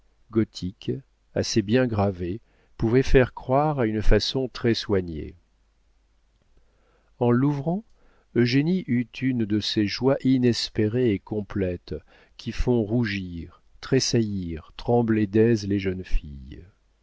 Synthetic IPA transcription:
ɡɔt̪ʰik | a̰sebjɛ̃ɡʁave | puvɛfɛʁkχwaʁaynfasɔ̃t̪χɛswaɲḛ | ɑ̃luvʁɑ̃ | øʒeniʔyt̪ʰynd̪əseʒwaʔinɛspeʁeekɔ̃plɛt̪ | kʲʰifɔ̃ʁuʒiʁ | t̪χesajiʁt̪χɑ̃bled̪ɛzleʒənfḭj

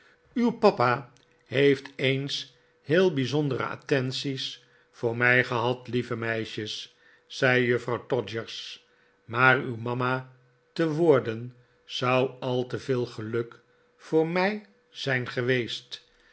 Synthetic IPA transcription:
ywpɑpa | ɦejftejns | hɪːlˠbizɔndəɾə̰a̰tɛnsis | fʊːɹmɛjχəɦɑtlivəmɛjʃəsː | ɛjjøfrɑwtɔd͡ʒəɹs | maːrywmɑma | təʋʊːɹdən | z̥ɑwɑlˠtəvɪːlˠχəlɵk | fʊːɹmɛj | z̥ɛjnχəʋejst

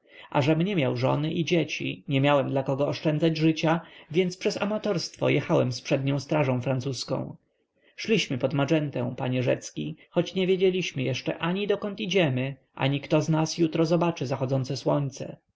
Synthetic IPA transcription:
ʔa̰ʐɛmɲɛmʲjawʐɔ̰nɘʔid͡ʑet͡ɕḭɲɛmʲjawɛmd̪lakɔɡɔːʂt͡ʂɛnd̪zad͡ʑʐɘt͡ɕavʲjɛnt̪spʂɛza̰mat̪ɔɾst̪fɔ̰jɛxawɛmspʂɛd̪ɲɔ̃w̃st̪ɾaʐɔ̃w̃fɾant̪suskɔ̰̃w̃ | ʂlʲiɕmɘpɔd̪mad͡ʐɛnt̪ɛw̃paɲɛʐɛ̰t̪skʲixɔt͡ɕɲɛvʲjed͡ʑelʲiɕmɘjɛʂt͡ʂɛ̰ʔaɲid̪ɔkɔnt̪id͡ʑɛmɘʔa̰ɲikt̪ɔznasjut̪ɾɔzɔbat͡ʂɘzaxɔd̪zɔnt̪sɛswɔɲt̪sɛ̰

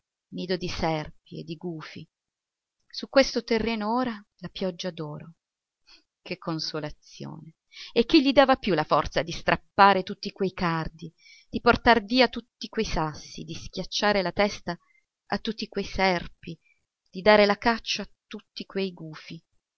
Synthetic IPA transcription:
miːd̪od̪isɛrp̚iḛd̪ːiɡuːfḭ | sukːwest̪ot̪erːeːnooːɾalapjɔd͡ʒːad̪oːɾo | kʰekʰːonsolat̪sjo̰ːne | ek̟ːiʎːid̪aːvapjulafɔrt̪sad̪ist̪ɾʔapːaːɾet̪ut̪ːikwejkard̪i | d̪̥iport̪arviːat̪ut̪ːikwejsasːḭd̪isk̟jat͡ʃːaːɾelat̪ɛst̪a | a̰t̪ːut̪ːikwejsɛrpi | d̪̥id̪aːɾelakat͡ʃːaːt̪ːut̪ːikwejɡuːfi

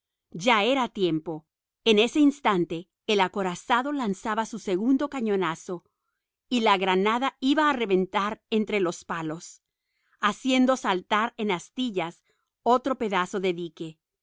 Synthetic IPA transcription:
ʝae̞ɾat̪je̞mpo̞ | ene̞se̞inst̪ant̪e̞ː | lako̞ɾasaðo̞lansaβasuse̞ɣund̪o̞kaɲo̞naso̞ | ilaɣɾanaðaiβaːre̞βe̞nt̪aɾent̪ɾe̞lo̞spalo̞s | asje̞nd̪o̞salt̪aɾe̞nast̪iʝas | o̞t̪ɾo̞pe̞ðaso̞ðe̞ðike̞

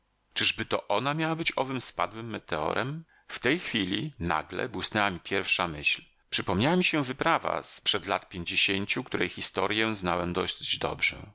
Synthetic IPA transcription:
t͡ʂɘʐbɘt̪ɔʔɔnamʲjawabɘt͡ɕɔvɘmspa̰d̪wɘmːɛt̪ɛɔ̰ɾʔɛm | ft̪ɛjxfʲilʲina̰ɡlɛ̰bwɘsnɛwamʲipʲjɛɾfʂamɘɕl | pʂɘpɔmɲawamʲiɕɛvɘpɾava̰spʂɛd̪lat̪pʲjeɲd͡ʑeɕeɲt͡ɕukt̪uɾɛjxʲist̪ɔɾʲjɛznawɛmd̪ɔɕsd͡ʑd̪ɔ̰bʐɛ̰

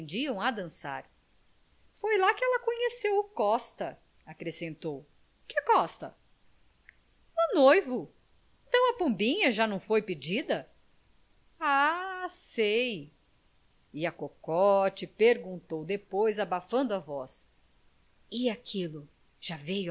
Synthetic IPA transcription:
ẽnd͡ʒiɐ̃w̃ad̪ɐ̃sa̰ɾ | fojlakɪɛlɐkõɲesewʊkɔst̪ɐ | akɾesẽnt̪ow | kɪkɔst̪ɐ | unojvʊ | ẽnt̪ɐ̃w̃ɐpõmbĩɲɐʒanɐ̃w̃fojpɪd͡ʒid̪ɐ | asej | ɪɐkokɔt͡ʃɪpeɾɡũnt̪owd̪epojzabafɐ̃nd̪ʊavɔs | ɪakʰilʊ | ʒ̥avej

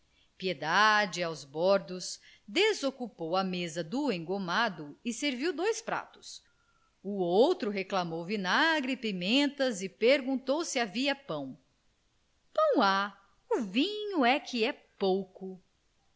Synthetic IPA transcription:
pied̪ad͡ʒɪawzbɔɾd̪ʊs | d̪ezokupowɐmezɐd̪uẽɡomad̪ʊɪseɾviwd̪ojspɾa̰t̪ʊ̥s | uowt̪ɾʊɦeklamowvinaɡɾɪpimẽnt̪ɐzɪpeɾɡũnt̪owsiaviɐpɐ̃w̃ | pɐ̃w̃a | uvĩɲuɛkʰɪɛpowkʊ

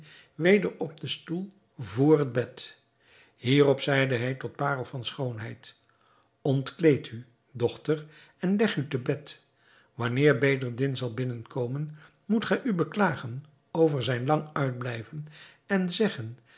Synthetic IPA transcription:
ʋejdəɹɔb̚dəstulˠ | voːrɦəd̚bɛt | hiːrɔpsɛjdəɦɛjtɔt̚paːrəlˠvɑnsχownɦɛjt | ɔntklejtʰy | dɔχtəɹ | ɛnlɛχytəbɛt | ʋɑnɪːɹbeːdəɹdɪnzɑlˠbɪnənkowmən | mutχɛjʔybəklaːχən | owvəɹzɛjnlɑŋœɥd̚blɛjvən | ɛnzɛχən

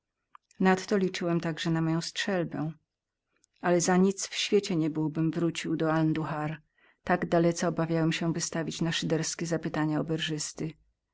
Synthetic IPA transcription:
nat̪ːɔlʲit͡ʂɘwɛmt̪aɡʐɛnamɔjɔ̃w̃stʂɛlbɛ̃ | alɛzaɲit̪sfɕfʲjet͡ɕɛɲɛbɘwbɘmvɾut͡ɕiwd̪ɔalnd̪uxaɾ | t̪aɡd̪alɛt̪sɛɔbavʲjawɛmɕɛvɘst̪avʲit͡ɕnaʂɘd̪ɛɾskʲɛzapɘt̪aɲaɔbɛɾʐɘst̪ɘ

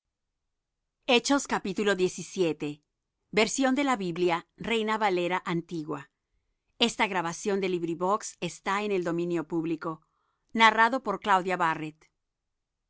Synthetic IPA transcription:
e̞t͡ʃo̞skapit̪ulo̞ðje̞sisje̞t̪e̞ | be̞ɾsjo̞nd̪e̞laβiβljare̞jnaβale̞ɾaʔant̪iɣwa | e̞st̪aɣɾaβasjo̞nd̪e̞liβɾiβo̞kse̞st̪aene̞ld̪o̞mĩnjo̞puβliko̞ | naraðo̞po̞ɾklawðjaβaret̪

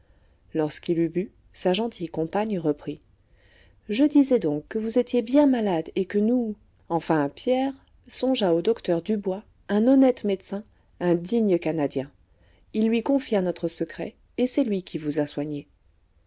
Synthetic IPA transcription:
lɔʁskilyby | saʒɑ̃t̪ʰijkɔ̃paɲʁəpχi | ʒəd̪izɛd̪ɔ̃kːəvuzet̪jebjɛ̃malad̪ekənu | ɑ̃fɛ̃pjɛʁ | sɔ̃ʒaod̪ɔkt̪œʁd̪ybwa | ɛ̃nɔnɛt̪mɛd̪sɛ̃ | ɛ̃d̪iɲəkanad̪jɛ̃ | ilːɥikɔ̃fjanɔt̪χəsəkχɛ̰ | esɛlɥikʲʰivuzaswaɲe

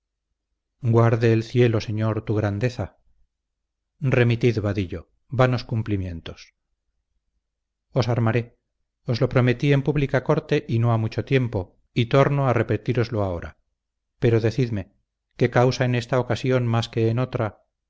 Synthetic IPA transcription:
ɡwaɾðeːlθje̞lo̞se̞ɲo̞ɾt̪uɣɾand̪e̞θa | re̞mit̪iðβaðiʎo̞ | βano̞skumplimje̞nt̪o̞s | osaɾmaɾe̞ | ozlo̞pɾo̞me̞t̪ie̞mpuβlikako̞ɾt̪e̞ʔino̞amut͡ʃo̞t̪je̞mpo̞ | it̪o̞ɾno̞are̞peɾt̪iɾo̞zlo̞ao̞ɾa̰ | pe̞ɾo̞ðe̞θiðme̞ | ke̞kawsaene̞st̪aokasjo̞nmaske̞ːno̞t̪ɾa

